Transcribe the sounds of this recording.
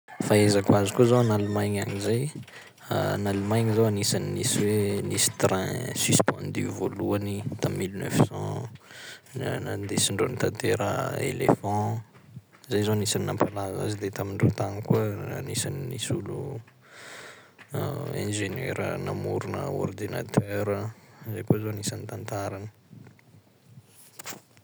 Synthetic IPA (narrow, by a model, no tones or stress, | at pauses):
faezakwazikuzawanalumajɲaɲizaj | a̰nalumajɲizawanisaninisiwenisi̥t̪ɾɛ̰̃syspɑ̃nd̪yvoluanit̪amːilnœ̰fsɑ̃ | nad̪esiɳɖ͡ʐont̪ãt̪eɾə̰ḛlḛfɑ̃ | zajzonisaninampalaza̰zid̪et̪amiɳɖ͡ʐot̪anikənisaninisulu | ɛ̃ʒeneɾənamuɾunə̰ɔ̰rd̪ina̰t̪ʰœɾəzajkozonisanit̪ãnt̪aɾanə̥